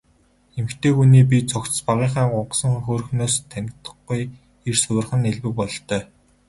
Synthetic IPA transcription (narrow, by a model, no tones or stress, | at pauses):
emxt̪ʰeːxuniːp̬ʲit͡sɔkt͡s̪̆spaʁiːɴχaːɢʊɴɢsə̆ŋɵxoːrɵ̆xnoːst̪ʰæŋʲɪ̆kt̪ə̆ɡuj | ersɵwɘ̆rχə̆neɮwɘ̆k̚pɔɮ̆t̪œː